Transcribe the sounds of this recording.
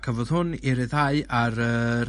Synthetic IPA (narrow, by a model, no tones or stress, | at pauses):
kʰəvɔð̥hʊnɪɾɪðhaɨaɾə